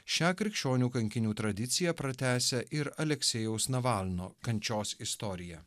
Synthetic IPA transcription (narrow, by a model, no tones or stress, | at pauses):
ʃʲæːkɾʲɪkʃʲt͡ʃʲoːnʲuːkɐŋʲkʲɪnʲuːt̪ɾɐd̪ʲɪt̪sʲɪjæpɾɐt̪ʲæːsʲɛʔɪɾɐlʲɛksʲɛjɛʊsnɐʋɑlˠʲno̰ːkɐnʲt͡ʃʲoːsɪst̪ɔːɾʲɪjæ